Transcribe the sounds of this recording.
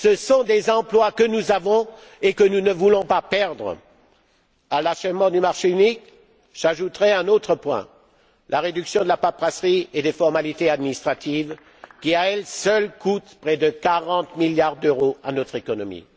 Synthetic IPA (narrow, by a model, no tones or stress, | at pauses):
səsɔ̃d̪ezɑ̃plwakənuzavɔ̃ | ekənunəvulɔ̃papɛʁd̪ʁə̰ | alaʃɛvmɑ̃d̪ymaʁʃeynik | ʒ̥aʒut̪ʁɛɛ̃not̪χəpwɛ̰̃ | lʔaʁed̪yksjɔ̃d̪əlapapʁasʁied̪efɔʁmalit̪ead̪minist̪χat̪iv | kʲiaɛlsœlkʰut̪pχɛd̪əkaʁɑ̃t̪miljaʁd̪øʁoa̰nɔt̪χekɔnɔmḭ